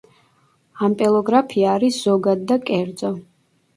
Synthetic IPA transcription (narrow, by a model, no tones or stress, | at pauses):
ampʼɛlˠɔɡɾapʰiaːɾisz̥ɔɡad̪ːakʼɛɾd̪zʼɔ